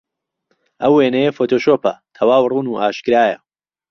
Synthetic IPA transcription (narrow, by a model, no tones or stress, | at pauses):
ʔɐwːenɐjefoːt̪ʰoːʃoːpɐ̰t̪ʰɐwaːwruːnuːʔaːʃkɾaːjɐ̰